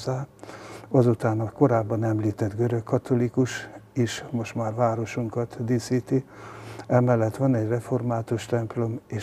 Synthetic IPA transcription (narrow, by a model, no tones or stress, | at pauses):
aː | ɒzut̪aːnɒko̞ɾaːbːɒnɛmliːt̪ɛd̪ɡøɾøkːɒt̪o̞likuʃiʃmo̞ʃt̪maːrʋaːɾo̞ʃuŋkɒt̪d̪iːsiːt̪i | ɛmɛlːɛt̪ʋɒnɛɟrɛfo̞rmaːt̪uʃt̪ɛmplo̞meːʃ